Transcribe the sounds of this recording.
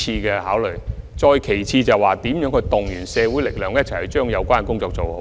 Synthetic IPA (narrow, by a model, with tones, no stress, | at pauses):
iː˧kɛː˧haː˨˥wlɵ˨˩jt͡sɔː˧jkʰe˨˩jt͡sʰiː˧t͡sɐ˨waː˨t̪iː˨˥mjœː˨˥ŋkʰɵ˧t̪ʊ˨ŋjyː˨˩nsɛː˨˧wu˨˥jlɪ˨k̚lœː˨ŋjɐ˥t̚t͡sʰhɵ˨˧ɥt͡ʃœː˥ŋjɐ˨˧wkʷaː˥nkʊ˥ŋt͡sɔː˧k̚t͡so˨who˨˦